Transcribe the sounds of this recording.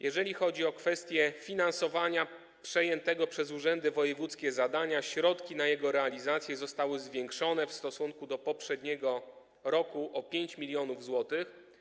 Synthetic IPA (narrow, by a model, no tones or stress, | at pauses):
jʔɛʐɛlʲixɔd͡ʑiɔkfɛst̪ʲjɛfʲinansɔvaɲa | pʂɛjɛnt̪ɛɡɔpʂɛzuʐɛnd̪ɘvɔjɛvut̪skʲɛzad̪aɲaɕɾɔt̪kʲinajɛɡɔɾɛalʲizat̪sʲjɛzɔst̪awɘzvʲjɛŋkʂɔnɛfst̪ɔsuŋkud̪ɔpɔpʂɛd̪ɲɛɡɔ | ɾɔkuʔɔpʲjeɲt͡ɕmʲilʲjɔnuvzwɔt̪ɘx